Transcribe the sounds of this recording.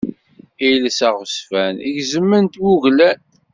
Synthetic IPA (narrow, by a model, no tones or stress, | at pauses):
ijləsæʁəsfæniʝzəmːənt̪wuʝlæn